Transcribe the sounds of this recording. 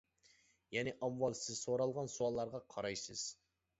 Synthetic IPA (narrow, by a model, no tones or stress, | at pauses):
jɛnɪʔɑmwɑlˠsɪzsoɾɑlˠʁɑnsuɑlˠːɑɾʁɑqʰɑɾɑjsɨz̥